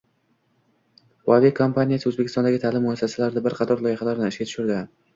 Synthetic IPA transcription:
wavekʰompʰanʲijasɪɵzbekʲɪst̪ɒnd̪aɡʲɪt̪ʰaːlɪmːʊasːasalaɾd̪abɪɾqʰɑt̪ʰɒɾlˠɒjɪχalaɾd̪ɪɪʃkʲat̪ʰʊ̥ʃʊɾd̪ɪ

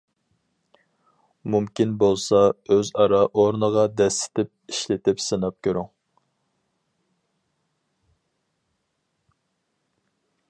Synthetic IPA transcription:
mumkʲinbolˠsɑøzɑɾɑʔoɾnəʁɑd̪ɛsːɪ̥t̪ɪp̚iʃlɪt̪ɪpsɨnɑp̚kʲʰøɾyŋ

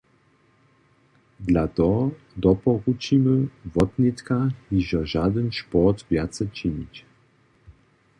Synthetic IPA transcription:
d̪lat̪ɔ | d̪ɔpɔɣut͡ɕimɘvɔt̪nʲit̪kahiʒaʒad̪ɛnʃpɔt̪vʲjat̪sɛt͡ɕiɲit͡ɕ

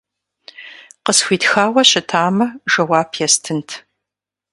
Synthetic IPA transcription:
qəsxʷiːtxaːwɐɕɪtʰaːmɐʒɐwaːpʰjɛstʰɨntʰ

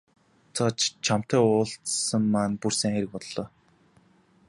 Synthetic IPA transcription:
t͡sʰɔt͡ɕt͡ɕʰam̥t̪æːʊːɬt͡ssə̆mːanpursæ̆ŋxeɾɘ̆k̚pɔt̪ɮɔː

